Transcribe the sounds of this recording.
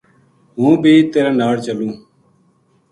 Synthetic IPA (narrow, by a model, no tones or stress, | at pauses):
ɦũːbʱiːt̪eːɾẽːnaːɽt͡ʃəlũː